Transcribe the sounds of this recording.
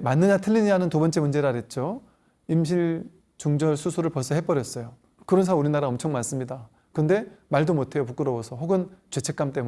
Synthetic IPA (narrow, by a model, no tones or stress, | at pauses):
manːɯɲatʰɯɭːiɲiɦanɯntobʌnt͡ɕ͈e̞mund͡ʑe̞ɾɯaɾje̞t̚t͡ɕ͈o | imɕ̬ʰiɭ | t͡ɕuŋd͡ʑʌɭsʰusʰuɾɯɭpʌs͈ʰʌɦe̞p͈ʌɾjʌs͈ʌjo | kɯɾʌnsʰauɾinaɾaʌmt͡ɕʰʌŋmans͈ɯmɲida | kɯnde̞maɭdomotʰe̞jopuk͈ɯɾʌwʌsʰʌɦoɡɯnt͡ɕwe̞t͡ɕʰe̞k͈amt͈e̞mu